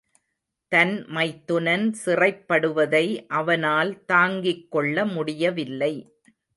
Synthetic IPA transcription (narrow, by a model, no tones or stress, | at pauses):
t̪ɐnmɐɪt̪ːʊnɐnsɪrɐɪpːɐɽɯʋɐðɐɪʔɐʋɐnaːlt̪aːŋɡɪkːɔɭːɐmʊɽɪjɐʋɪlːɐɪ